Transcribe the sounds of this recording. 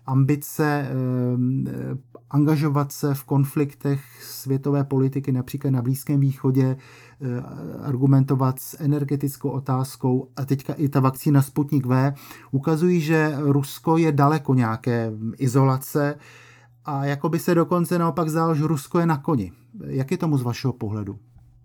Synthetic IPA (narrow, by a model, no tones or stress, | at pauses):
ʔambɪt͡sɛ | ʔaŋɡaʒo̞vat̪sɛfko̞nflɪkt̪ɛxsvjɛt̪o̞vɛːpo̞lɪt̪ɪkɪnapr̥iːklat̪̬̚nabliːskɛːmviːxo̞ɟɛ | a̰ɾɡumɛnt̪o̞vat̪sʔɛnɛɾɡɛt̪ɪt͡skowʔo̞t̪aːsko̞wʔat̪ɛckaʔɪt̪avakt͡siːnasput̪ɲɪkvɛːʔukazujiːʒɛɾusko̞jɛdalɛko̞ɲɛakɛːʔɪzo̞lat͡sɛ | ʔajako̞bɪsɛdo̞ko̞nt͡sɛnaopaɡzdalʒɛɾusko̞jɛnako̞ɲɪ | jakjɛt̪o̞muzvaʃɛɦo̞po̞ɦlɛdu